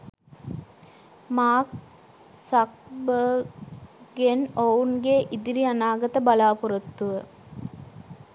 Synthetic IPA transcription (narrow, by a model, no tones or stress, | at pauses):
maːk | sɐk̚bə | ɡenownɡeʔid̪iɾiɐnaːɡɐt̪əbɐlaːpuɾɐt̪ːuʋə